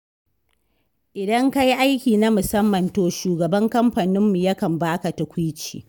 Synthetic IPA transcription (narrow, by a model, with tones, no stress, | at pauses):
ʔɪ˨dɐ˦ŋka˦jʔa˦jkʲiː˨na˦mʊ˨sɐ˦mːɐ˨ntoː˨ʃuː˨ɡɐ˨bɐ˦ŋkɐ˦mɸa˨nɪ˦mːu˨jɐ˦kɐ˨mbaː˦ka˨tɐ˨kʷʊ˦t͡ʃḭː˨